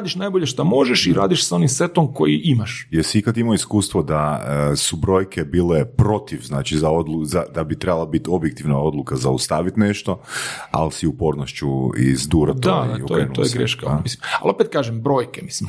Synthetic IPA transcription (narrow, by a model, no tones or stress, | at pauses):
ad̪iʃnaːjboʎeʃt̪amo̞ʒeʃiɾa̰ːd̪iʃsao̞nimset̪omko̞̰jiʔimaʃjeɾsiikat̪imoiskuːst̪ʋod̪aəsubɾo̞jkʰebiːlepɾo̞t̪iʋznaːt͡ʃizao̞d̪luzad̪abit̪ɾe̞balˠabit̪o̞bjek̚t̪iʋnao̞d̪lˠukazaust̪aʋit̪neʃt̪o̞a̰lsiupo̞ɾnoʃt͡ʃuḭzd̪uːɾatt̪oaookːeenuo̰jeɡɾḛʃkamisima̰lopet̪̚kaːʒembɾo̞ːjkemislim